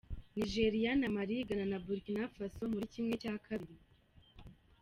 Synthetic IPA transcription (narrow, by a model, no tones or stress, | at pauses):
niʒe̞ɾijanamaɾiɡananabuɾkinafaso̞muɾicimŋe̞caːkʰaβiɾi